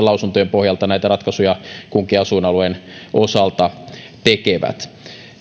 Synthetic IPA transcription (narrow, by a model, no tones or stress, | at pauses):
lɑusunt̪ojempohjɑlt̪ɑnæit̪ærɑt̪kɑsujɑkuŋkiɑsunɑluenʔosɑlt̪ɑ | t̪ekeʋæ̰t̪